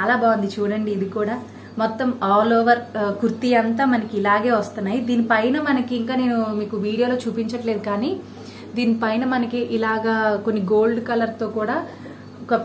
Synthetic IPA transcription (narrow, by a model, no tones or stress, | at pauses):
t͡ʃaːlaːbaːʋɐnd̪it͡ʃuːɽɐɳɖiːd̪ikuːɽaː | mɔt̪ːɐmaːlɔːʋɐɾkuɾt̪iɐnt̪aːmɐnɐkiilaːɡeːʋɐst̪unːaːjid̪iːnipɐjnɐmɐnɐkiiŋkaːne̞ːnumiːkuʋiːɽijoːlo̞ːt͡ʃuːpiɲt͡ʃɐʈle̞ːd̪ukaːniː | d̪iːnipɐjnɐmɐnɐkiʔilaːɡaːko̞nːiɡo̞ːlɖkɐlɐɾt̪o̞ːkuːɽaː | kɐ